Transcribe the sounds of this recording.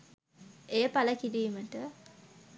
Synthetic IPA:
eːpaləkidiməʈə

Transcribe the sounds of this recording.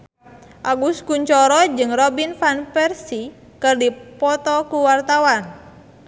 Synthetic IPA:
ʔaɡuskuɲt͡ʃɔɾɔd͡ʒɨŋrɔbinfanpɛrsi | kɨrdipɔt̪ɔkuwart̪awan

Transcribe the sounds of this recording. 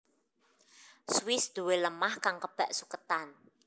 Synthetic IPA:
swɪsd̪̥uweləmahkaŋkəb̥ɛ̤ʔsukət̪an

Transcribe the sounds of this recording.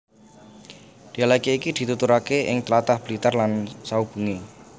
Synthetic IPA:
d̪̥ialakeikid̪̥i̤t̪ut̪uɾakeʔɪ̰ŋt̪əlat̪ahb̥lit̪ərlansaub̥ṳŋe

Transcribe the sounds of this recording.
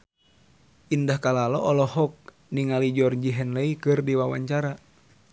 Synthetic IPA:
ʔindahkalalɔʔɔlɔhɔk̚ | niŋalid͡ʒɔrd͡ʒiɦɛnlɛikɨrdiwawa̰ɲt͡ʃaɾa

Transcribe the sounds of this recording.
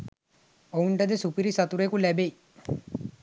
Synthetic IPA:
ouɳʈɐd̪esupiɾisɐt̪uɾekulɛbej

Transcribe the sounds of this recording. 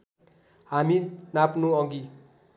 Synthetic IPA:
ɦaminapnoʌŋɡi

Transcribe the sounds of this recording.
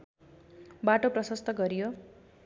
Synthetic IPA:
baʈoprʌsʌst̪ʌɡʌɾijo

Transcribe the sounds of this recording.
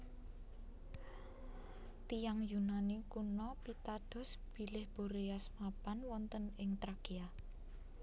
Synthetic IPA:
t̪ijaŋjunanikunɔpit̪ad̪̥ɔ̤sb̥i̤lɪhb̥o̤ɾejasmapanwɔnt̪ənɪŋt̪ɾaɡ̥ia

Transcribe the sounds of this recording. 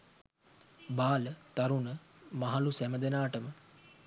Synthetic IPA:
baːlət̪aɾunəmaɦalusæməd̪enaːʈəmə

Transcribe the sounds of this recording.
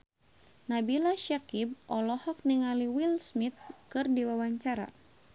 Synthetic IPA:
nabilaʃakib̚ɔlɔhɔk̚niŋaliwilsmit̪̚kɨrdiwawaɲt͡ʃaɾa̰

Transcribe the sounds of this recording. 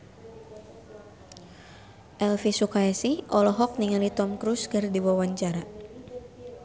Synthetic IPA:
ʔɛlfisukaɛsiʔɔlɔɦɔk̚niŋalit̪ɔmkɾuskɨrdiwawaɲt͡ʃaɾa

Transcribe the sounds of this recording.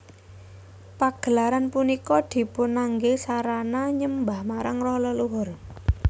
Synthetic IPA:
paɡ̥ə̤laɾanpunikɔd̪̥i̤pʊnaŋɡesaɾanaɲəmbahmaɾaŋrɔhlɔluɦʊr

